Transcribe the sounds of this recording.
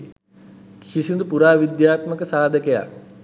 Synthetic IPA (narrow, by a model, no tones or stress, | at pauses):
kʰisind̪upuɾaːʋid̪jaːt̪məkəsaːd̪ʱəkəja̰k̚